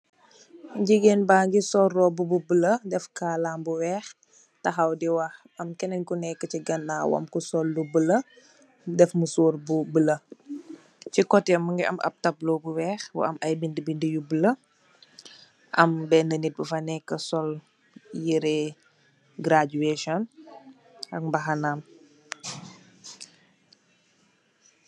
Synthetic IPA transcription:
ɟiɡeːnbaːŋɡisɔrɔbububələdɛfkaːlaːmbuwɛːx | tɐxɐwdiwɐh | ɐmkɛnɛnkunɛkːət͡ʃiɡɐnːaːwɐ̰mkusɔlːdubələ | dɛfmusoːrbubələ | cikɔtɛmuŋɡiʔɐ̰mʔɐ̰p̚tɐbloːbuwɛːxbṵʔɐ̰mɐjbindəbindəjubələ | ʔɐ̰mbɛnənit̚bufɐnɛkːəsɔl | jiɾɛ | ɡɾad͡ʒueʃɔn | ɐk̚mbɐxɐnam

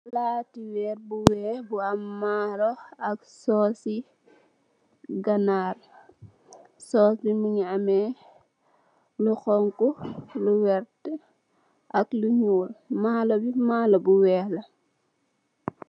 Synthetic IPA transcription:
laːtiwɛːɾbuwɛbuamːaːlɔɐk̚sɔsi | ɡanaːr | sɔsimiɲiamɛ | luxɔŋkuluwɛɾt | ʔɐkluɲuːlmalobimaːlobuwɛːlɐ

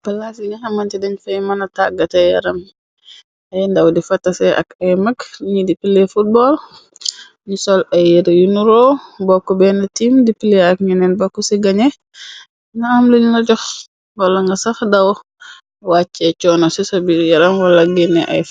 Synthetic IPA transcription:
b̥ɐlasiŋɡɐxɐmɐntidɛɲfɐjmɐnɐtaɡːɐtɐjɐ̰ɾɐm | ɐjndɐwdifɐtːɐsɛʔɐ̰kɐjmɐkɲidipilefut̚bɔl | ɲisɔlɐjeɾjunuɾoːbɔkːɔbɛːnɐtimdipileɐkɲinɛnbɔkːɔsiɡɐɲɛ | nɐɐmlilnɐɟɔx | wɐlɐŋɡɐsɐxdɐw | wat͡ʃːɛt͡ʃɔːnosisɐbijɐɾɐmwɐlɐɡinɛʔɐ̰j

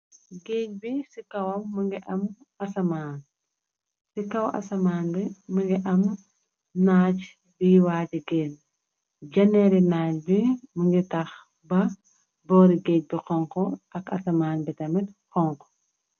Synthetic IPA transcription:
ɡeːc̚bisikɐwɐmːɐŋɡiʔɐm | ɐsɐmaːn | sikɐwɐ̰sɐmaːnbimɐŋɡiʔɐm | naːc | biwaːtiɡeːn | d͡ʒɐnɛːɾinaːcbimɐŋɡitɐx | bɐ | bɔːɾiɡeːc̚bixɔŋkɔɐkɐsɐmaːnbitɐmitqɔŋkɔ̥

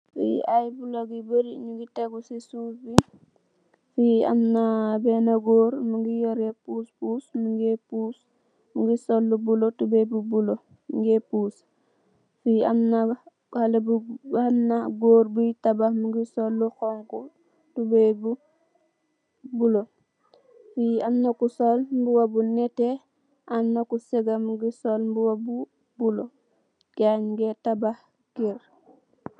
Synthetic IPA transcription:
fḭajbuloɡibəɾiɲuɡitɛɡusisuːfi | fiɐ̰mnabɛnaɡoːɾmuŋɡijoɾepuːspuːsmuŋɡepuːs | muŋɡisolːubulotubebubulo | miŋɡepuːs | fiamna | halɐbuamnaɡoːɾbutabahmuɡisɔlːuxɔŋku | tubebu | bulo | fiamnakusɔlmbuwabunɛtɛ | ʔamnakuseɡamuɡisɔlmbuwabu | bulo | kaɲŋɡɛtabah | ɡiɾ

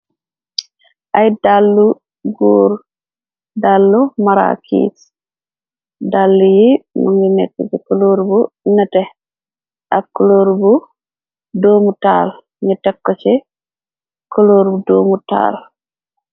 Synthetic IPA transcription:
ʔajdalːu | ɡoːɾ | dalːɔmaɾa̰kʰḭs | dalːujimṵŋɡinɛ̰tːɛ̰d͡ʒɛkɔloɾbunatɛ | ʔakːɔloɾbu | domuta̰l | nɛtɛkːɔt͡ʃɛ | kɔloɾbudoːmuta̰ːl

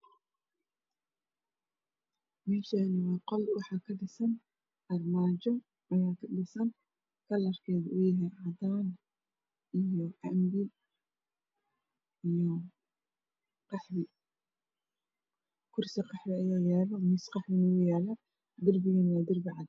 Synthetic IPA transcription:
mɛːʃanɐwɑːqɔlwɑħɑːkʰɐɖɪsɐn | ʔɐrmaːt͡ʃɔ | ʔɐjaːkʰɐɖɪsɐn | kʰɐlɐrkʰɛːðɐʔʊjɐɦɛʕɑd̪aːn | ʔijɔʔɐmbɪ | ijɔ | qɑħβɪ | kʰʊrsɪqɑħɾɪɐjaːjaːlɔmɪsqɑħβɪnɪʊjaːla | d̪ɪrbɪɣɛnɪjɐd̪ɪrbɪʕɑd̪

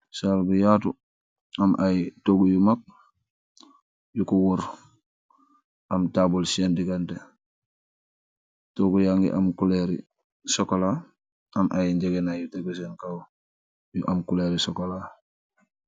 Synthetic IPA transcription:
salbujatu | amʔajtoɡujumak̚ | jukuwuɾ | amtaːbulsendiɡante | toɡujaŋɡḭʔa̰mkuleɾḭ | sokola | amʔajɲɟeɡenajuteɡus̬enkaw | juʔamkuleɾisokola

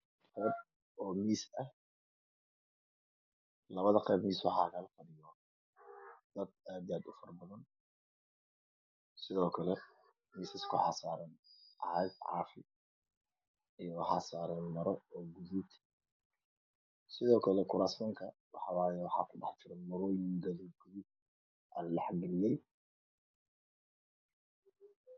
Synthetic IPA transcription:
qɛjb̚ | ɔːmiːsɐh | lɐβɐðɐqɛjbmiːswɑħɑ̰ːɣalqɑðɪjɔ | d̪̥ɐd̪̚aːd̪aːd̪ʊfɐrbɐðɐn | sɪðɔːkʰɐlɛ | miːsɪskʰʊħɑsaːɾɐnʔɐhɛjd̪ʕɑ̰ːfɪ̰ | ʔjoħasaɾɐnmɐɾooɡuzut̪ | siðoːkʰɐlɐkʰuɾasmɐŋkʰɐ | waħaβajwħa̰kʰuba̰ħt̪ʰiɾɐmɐɾojinɡɐlikʰɨzi | ʔalːɐħɡiliɛj

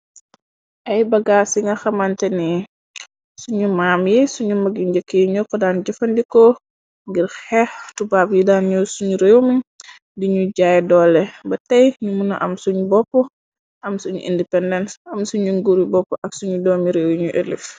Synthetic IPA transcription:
ʔɐjbɐɡasiŋɡɐxɐmantɛni | suɲumaːmjisuɲumɐɡind͡ʒəkːiɲɔkɔdanɟɐfɐndikɔ | ŋɡiɾxɛftubapjidaːnɲɔsuɲuɾewmi | diɲuɟajdɔlːɛbɐtɐjɲumunɐ̰ʔɐmsuɲubɔpːɔ | ʔɐmsuɲṵʔḭndipɛndɛntɐmsuɲuŋɡuɾibɔpːɔʔɐksuɲudɔːmiɾewɲuʔḛlif

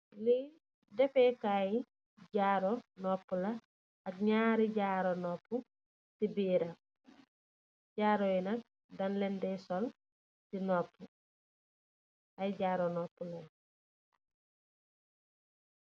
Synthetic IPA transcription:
li | dɛfɛkaji | ɟaːɾɔnɔpːulɐ | ɐk̚ɲaːɾiɟaːɾonɔpːu | tibiːɾa | ɟaːɾojinɐk̚ | dɐnlɛndɛjsɔl | tinɔpːu | ajɟaːɾɔnɔːpːulɐ

